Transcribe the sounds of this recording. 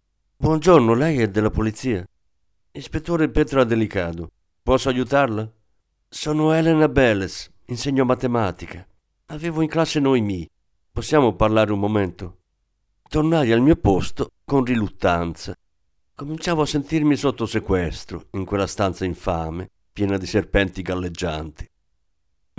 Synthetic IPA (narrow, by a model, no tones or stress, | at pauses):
bwɔnd͡ʒornolɛjɛd̪elapolit̪siːa | ispet̪ːoːɾepɛːt̪ɾoad̪elikaːd̪ʊ | pɔsːoajut̪aɾla | sɔːnoɛlɛnabɛlɛs | inseɲːomat̪emaːt̪ika | aveːvoiŋklasːenojmiː | posːjaːmʊparlaːɾeumːomɛnt̪o | t̪ornaːjalmiːopost̪okonrilut̪ːant̪sa | komint͡ʃaːvoasːent̪irmisot̪ːosekwɛst̪ɾo̰iŋkwelːast̪ant̪saiɱfaːme | pjɛːnad̪iserpɛnt̪iɡalːed͡ʒːa̰nt̪i̥